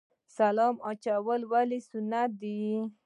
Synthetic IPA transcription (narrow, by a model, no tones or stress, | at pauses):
salɑmɑt͡ʃawəlwalisʊnat̪̚d̪i